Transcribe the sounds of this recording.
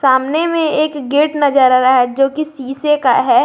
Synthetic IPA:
saːmnemẽeːkɡeːʈnɐd͡ʒəɾɾaɦɛd͡ʒoːkisiːsekaɦɛː

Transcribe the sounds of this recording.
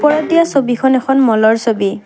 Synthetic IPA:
pɔɹɔdijasobikʰɔnɛkʰɔnmɔlɔɹsobi

